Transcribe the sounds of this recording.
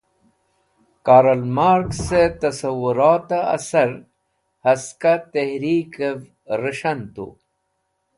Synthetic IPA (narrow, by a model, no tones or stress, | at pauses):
kaːɾɐlmaːɾkset̪ɐsɐwuɾaːt̪aɐ̰sɐɾ | hɐskat̪ehɾikev | ɾəʂɐnt̪ṵ